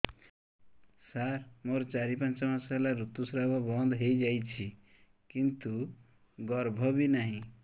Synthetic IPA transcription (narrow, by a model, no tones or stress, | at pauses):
sarmoɾt͡saɾipãnt͡sʌmasalaɾut̪ːusɾabʌbʌnd̪ɦejd͡zajt͡sʰi | kint̪u | ɡʌɾbʱʌbinaɦĩ